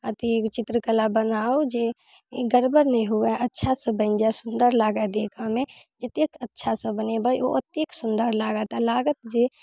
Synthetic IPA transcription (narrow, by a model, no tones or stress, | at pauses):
ət̪it͡ʃɪt̪ɾəkəlabənaːod͡ʒe | ɡəɾbəɾnə̃ɦuaʔətːʃʰasə̃bəɪnd͡ʒasʊnd̪əɾlaːɡad̪ekʰamẽ | d͡ʒət̪ekətːʃʰasə̃bənebəjoʔət̪ːeksʊnd̪əɾlaːɡət̪alaːɡət̪̚d͡ʒe